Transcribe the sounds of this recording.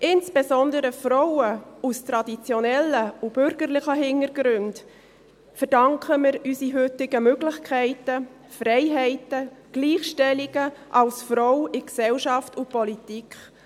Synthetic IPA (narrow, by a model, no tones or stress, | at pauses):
ʔɪnsb̥ezɔndəɾəfrɔwəustɾɑdit͡sjɔnɛlːəub̥ʏɾɡ̥ərlɪχəɦɪŋəɾɡɾʏnd | fəɾd̥ɑŋkχəmɪɾysiɦʏtɪɡəmøɡlɪçkʰɛɪtə | frɛɪɦɛɪtəɡ̥liːχʃtɛliɡ̥əʔɑlsfɾɔwɪksɛlʃɑftʊpɔlitikχ